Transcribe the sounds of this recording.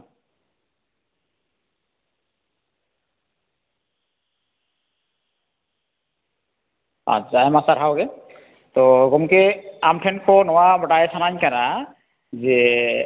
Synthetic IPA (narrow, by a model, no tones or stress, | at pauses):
a̰zajmasaɾʰawɡɛ | t̪ɔɡɔmkeamtʰɛnkʰɔnɔwabɔʈaɛsʰanaɲkana | zɛ